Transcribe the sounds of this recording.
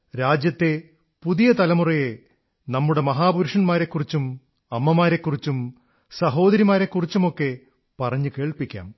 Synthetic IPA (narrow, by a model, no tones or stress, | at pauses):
ɾaːd͡ʑjɐt̪ːe̞ | puðijɐt̪ɐlɐmurɐje̞ | nɐmːuɽe̞mɐɦaːbuɾuʂɐnmaːɾe̞kːurit͡ɕːum | ɐmːɐmaːɾe̞kːurit͡ɕːum | sɐɦo̞ːd̪ɐɾimaːɾe̞kːurit͡ɕːumo̞kːe̞ | pɐrɐɲːuke̞ːɭpikʲːa̰ːm